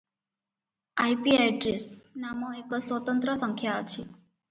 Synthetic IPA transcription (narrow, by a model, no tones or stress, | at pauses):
ajpiajɖɾesnamoeksʋət̪ənt̪ɾəsəŋkʰjaət͡ʃʰi